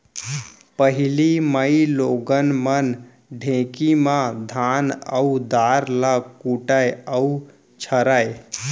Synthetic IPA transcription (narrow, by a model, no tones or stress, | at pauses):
pəɦiliməiloɡənmən | ɖʱẽkimãd̪ʱanə̰ud̪aɾlakuʈajəu | t͡ʃʰəɾaj